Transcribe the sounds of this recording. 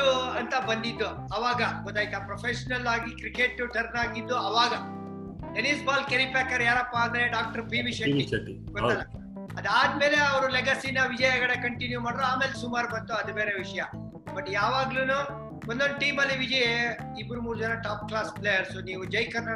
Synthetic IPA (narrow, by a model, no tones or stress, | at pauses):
uɐnt̪ɐbɐnd̪id̪ːu | ɐʋaːɡɐɡɔd̪aːjt̪apɾopʰeʃɐnɐlaːɡikɾikeʈːuʈʰɐɾnaːɡid̪ːuɐʋaːɡɐ | ʈenisbaːlkeɾipeːkɐɾjaːɾɐpːaːnd̪ɐɾeɖaːk̚ʈɐɾbiːmiʃɐʈiɐʈi | kɐanɐ | ɐ̰d̪aːd̪̚meːleɐʋɐɾulɛɡɐsiːnɐʋid͡ʒɐjɐɡɐɽekɐɳʈinjumaːɽɾuaːmeːlesumaːɾbɐnt̪uɐd̪ubeːɾeʋiʂɐjɐ | bɐʈːjaːʋaːɡluːnu | wond̪ond̪ʈiːmɐlːiʋid͡ʒɐje | ibɾumuːɾd͡ʒɐnɐʈaːp̚klaːsplejɐɾsuniːʋud͡ʒɐjkɐɾnɐ